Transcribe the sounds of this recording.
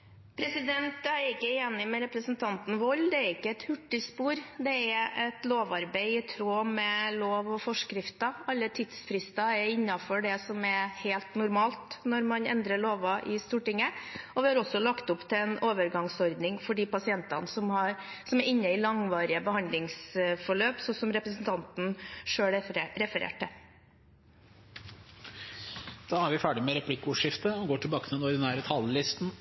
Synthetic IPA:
pʰɾɛsɪd̪ɛnt̪æɛɾɪkːəeːnɪmɛɾɛpɾəsənt̪ʰɑnt̪n̩ʋɔlːd̪ɛæɾɪkːəɛt̪hʉʈːɪspuːɾd̪ɛɛɾɛt̪loːʋɑɾbæɪɪt̪ʰɾoːmɛloːʋɔfɔʂkɾɪft̪ɑɑlːət̪ʰɪd̪sfɾɪst̪ɑɛɾɪnːɑfɔɖɛsɔmɛheːlt̪nʊɾmɑːlt̪nɔɾmɑnɛ̰nd̪ɾəɭoːʋɑʔɪst̪uːʈɪŋːəɔʋɪhɑɾɔsːɔlɑkt̪ʊpːt̪ʰɪɛnoːʋəɾɡɑŋsɔɾd̪nɪŋfɔɖiːpɑsɪɛnt̪ɑnəsɔmhɑɾ | sɔmæɾɪnːəɪlɑŋʋɑːɾɪəbəhɑnd̪lɪŋsfɔɭøːpsɔsɔmɾɛpɾəsnt̪ʰɑnt̪n̩ʂøːɭɾɛfəɾḛːʈːə | d̪̥ɑːæɾʋɪfæːɖɪmɛɾɛpʰlɪkːʊːʂɪft̪əɔɡoːʈʰɪlbɑːkət̪ʰɪd̪ɛnɔɾd̪ɛnæːɾət̪ʰɑllɪst̪n̩

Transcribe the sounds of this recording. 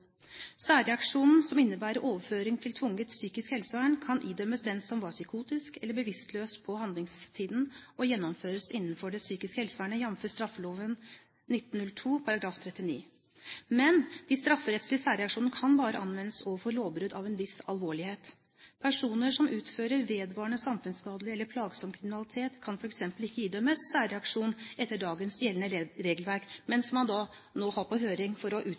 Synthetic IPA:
sæːɾɛɑkʂuːnn̩sɔmɪnːəbæːɾəɾʔoːʋəføːɾɪŋt̪ʰɪlt̪ʰʋʊŋːət̪syːkɪskhɛlsəʋæːɳkʰɑnʔiːd̪œməsd̪ɛnsɔmʋɑːɾsʏkʰuːt̪ɪskɛlːəbəʋɪst̪løːspʰɔhɑnd̪lɪŋst̪ʰiːd̪n̩ɔjɛnːɔmføːɾəsɪnːn̩fɔɖɛsyːkɪskəhɛlsʋæːɳəjɑmføːst̪ɾɑfːəloːʋən | nɪt̪ːn̩nʉlt̪ʰuːpʰɑɾɑɡɾɑːft̪ʰɾɛt̪ːɪnḭː | mɛnd̪̥iːst̪ɾɑfːəɾɛt̪slɪsæːɾɛɑkʂuːnəkʰɑnbɑːɾə̰ʔɑnʋɛnːəsɔfoːloːʋbɾʉd̪ɑʋɛnʋɪsɑlʋoːɭɪheːt̪ | pʰæʂuːnəʂɔmʔʉːt̪føːɾəɾʋeːd̪ʋɑːɳəsɑmfʉnskɑːd̪lɪɛlːəɾpʰlɑːɡsɔmkʰɾɪmɪnɑlɪt̪ʰeːt̪kʰɑnfɔɾɛksɛmpəlɪkːəiːd̪œməsːæːɾɛɑkʂuːnʔɛt̪ːəɖɑːɡənsjɛlənəɾeːɡəlʋæɾkmɛnsmɑnd̪ɑ | noːhɑɾpʰɔɦøːɾɪŋfɔɾɔʔʉː

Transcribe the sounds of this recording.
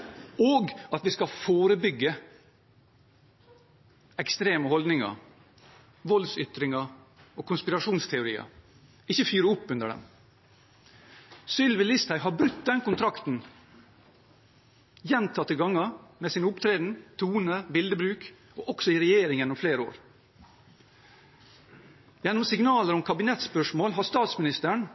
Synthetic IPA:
oːɡɑt̪ʋiskɑfoːɾəbʏɡːə | ɛkst̪ɾeːməhɔld̪nɪŋɑ̰ | ʋɔlsʏt̪ɾɪŋɑ | ɔkʰʊnspɪɾɑʂuːnst̪ʰɛʊɾḭːɑ̰ | ɪçːəfyːɾəʊpːʉnd̪əɖɛ̰m | sʏlʋɪlɪst̪æɪɦɑɾbɾʉt̪ːd̪ɛnkʊnt̪ʰɾɑkt̪n̩ | jɛnt̪ʰɑt̪ːɪɡɑŋːɑmeːsɪnəʊpt̪ʰɾeːd̪n̩t̪ʰuːnəbɪld̪əbɾʉːk | oːʔɔksɔɪɾɛjeːɾɪŋjɛnːʊmfleːɾəo̰ːɾ | jɛnːɔmsɪŋnɑːləɾɔmkʰɑbɪnɛt̪spœʂmoːlɦɑst̪ɑːt̪smɪnɪst̪əɳ

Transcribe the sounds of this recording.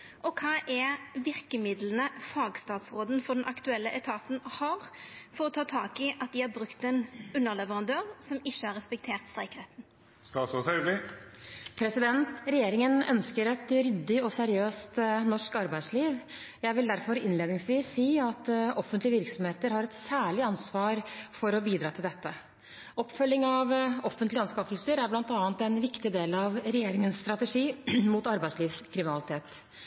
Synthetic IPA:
ʔɔkʰɑːʔɛʋɪɾkəmɪd̪lənəfɑːɡst̪ɑːt̪sʁoːd̪n̩fɔd̪ɛnʔɑkt̪ʉɛlːəʔɛt̪ʰɑːt̪n̩hɑɾfɔɾɔt̪ʰɑːt̪ʰɑːkɪʔɑt̪̚d̪ɪhɑɾbɾʉkt̪ɛnʉnːəʁlɛʋəʁɑnd̪øːʁsɔmɪçːəhɑɾɛspɛkt̪ʰeːʁt̪st̪ɾæɪkɾɛt̪ːn̩ | st̪ɑsɔsɛlɪ | pʰɾɛsɪd̪ɛnt̪ɾɛjeːɾɪŋənœ̰nskəɾɛt̪ɾʏd̪ːɪɔsɛɾɪøːst̪nɔʂkɑɾbæɪd̪sliːʋjæɪʋɪld̪æɾfɔɾɪnleːd̪nɪŋsʋiːsːiːɑt̪ɔfənt̪ləʋɪɾksɔmheːt̪əɾhɑɾɛt̪sæːɭɪɑnsʋɑːɾfɔɾɔbiːd̪ɾɑːt̪ɪld̪ɛt̪ːə | ɔpːfœlːɪŋɑʋɔfənt̪lɪɑnskɑfəlsəɾæɾblɑnt̪ɑːnt̪ɛnʋɪkt̪ɪd̪eːlɑʋɾɛjeːɾɪŋənsst̪ɾɑt̪ɛʂiːmuːt̪ɑɾbæɪsliːʋskʰɾɪmɪnɑlɪt̪ʰeːt̪

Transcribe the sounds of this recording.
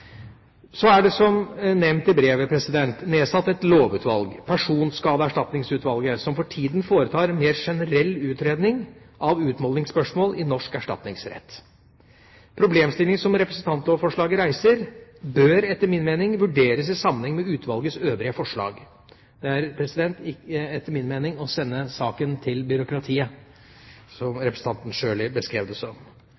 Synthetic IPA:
sɔæɖɛsɔmnɛmnt̪ɪbɾeːʋəpʰɾɛsɪd̪ɛnt̪neːsɑt̪ːɛt̪loːʋʉːt̪ʋɑ̰lɡpʰæʂuːnskɑːd̪əæʂʈɑt̪nɪŋsʉːt̪ʋɑlɡəsɔmfɔʈʰiːd̪n̩foːɾət̪ʰɑːɾɛnmeːɾʂɛnəɾɛlːʉːt̪ɾeːd̪nɪŋ | ʔɑʋʉːt̪mɔlɪŋspœʂmoːlɪnɔʂkæʂʈɑ̰t̪nɪ̰ŋsɾɛ̰t̪ː | pʰɾʊbleːmst̪ɪlɪŋəsɔmɾɛpɾəsən̩t̪ʰɑnt̪loːʋfɔʂɭɑːɡəɾæɪsəɾbøːɾɛt̪ːəɾmɪnmeːnɪŋʋʉɖeːɾəsɪsɑmːənɛŋmɛʉːt̪ʰʋɑlɡəsøːʋɾɪəfɔʂɭɑ̰ːɡ | d̪̥ɛæɾpʰɾɛsɪd̪ɛnt̪ɪkəɛt̪ːəɾmɪnmeːnɪŋɔsɛnːəsɑːkənt̪ʰɪlbʏɾʊkɾɑt̪ʰiːə | sɔmɾɛpɾsn̩t̪ɑnt̪n̩ʂøːɭɪbəskɾeːʋd̪əsɔm

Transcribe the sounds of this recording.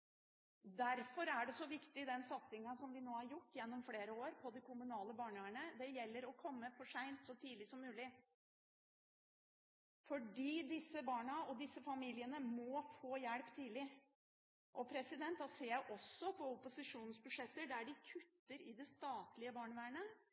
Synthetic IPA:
d̪æɾfɔɾæɖɛsɔʋɪkt̪ɪd̪ɛnsɑt̪sɪŋɑsɔmʋɪnoːhɑɾjʊʈːjɛnːɔmfleːɾəoːɾpʰɔd̪ɪkʰʊmʉnɑːləbɑːɳəʋæːɳəd̪ɛjɛlːəɾɔkʰɔmːəfɔʂæɪnt̪sɔt̪ʰiːd̪lɪsɔmːʉːlɪ | fɔɖiːd̪ɪsːəbɑːɳɑɔd̪ɪsːəfɑmiːlɪənəmɔfoːjæɽpt̪ʰiːd̪lɪ | ʔɔpʰɾɛsɪd̪ɛnt̪ɑseːjæɪʔɔsɔpʰɔʊpʊsɪʂuːnn̩sbʉʂɛt̪ːəɖ̪æɖɪkʰʉt̪ːəɾɪd̪ɛst̪ɑːt̪lɪəbɑːɳəʋæːɳə

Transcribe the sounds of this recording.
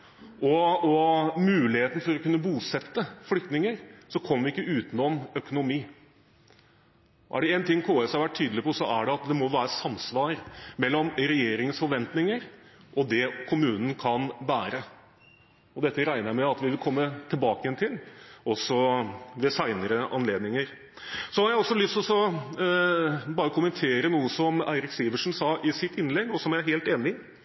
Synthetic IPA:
ɔɔmʉːlɪheːt̪n̩fɔɾɔkʉnːəbuːsɛt̪ːəflʏkt̪nɪŋəɾsɔkʰɔmːəʋɪɪkːəʉːt̪nɔmœkʊnʊmiː | ɔʔæɖɛɛnt̪ɪŋːkʰoːɛshɑɾʋæʈ̚ʰyːd̪əlɪpɔsɔʔæɖɛɑt̪̚d̪ɛmɔʋæːɾəsɑmːsʋɑːɾmɛlːɔmɾɛjeːɾɪŋəsfɔɾʋɛnt̪nɪŋəɾ | ʔɔd̪ɛkʰʊmʉːnən̩kʰɑnʋæːɾə | ɔd̪ɛt̪ːəɾæɪnəmɛɑt̪ʋɪʋɪlkʰɔmːət̪ʰɪlbɑːkəjɛnt̪ʰɪlɔsɔʋɛsæɪnəɾəʔɑnleːd̪nɪŋəɾ | sɔhɑɾjæɪɔsːɔlʏst̪ɔsɔ | bɑːɾəkʰʊmənt̪ʰeːɾənuːəsɔmæ̰ɪɾɪksiːʋəʂn̩sɑʔɪsɪt̪ɪnːlɛɡɔsɔmæɦeːlt̪eːnɪ

